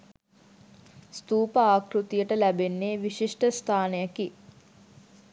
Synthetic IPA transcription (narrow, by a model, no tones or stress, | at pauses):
st̪uːpəaːkɾut̪ijəʈəlæbenːeʋiʃiʂʈəst̪ʰaːnejaki